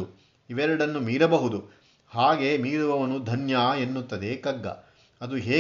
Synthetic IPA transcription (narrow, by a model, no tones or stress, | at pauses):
u | iʋɛɾɐɽɐnːumiːɾɐbɐɦud̪u | haːɡemiːɾuʋɐʋɐnud̪ʱɐnjaːe̞nːut̪ːɐd̪ekɐɡːɐ̰ | ɐd̪uɦeː